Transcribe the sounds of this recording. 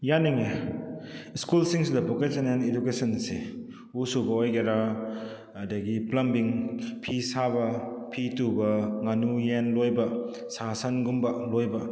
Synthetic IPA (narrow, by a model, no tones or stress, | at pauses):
janiŋe | skulsiŋsidɐbokesenenedukesɐnse | usubɐojɡeɾaː | dɐɡiplɐmbiŋpʰisaβɐpʰitubɐŋanujenlojbɐ | sasɐnɡumbɐlojbɐ